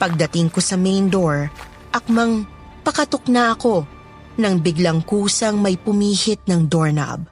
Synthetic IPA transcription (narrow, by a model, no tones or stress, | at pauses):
pɐɡ̚d̪ɐt̪ɪŋko̞sɐmɛjnd̪oɹ | ʔɐk̚mɐŋ | pɐkɐt̪ʊknaʔɐko̞ | nɐŋbɪɡlɐŋkuːsɐŋmɐjpʊmiːhɪt̪̚nɐŋd̪oɹnɐ̰b̚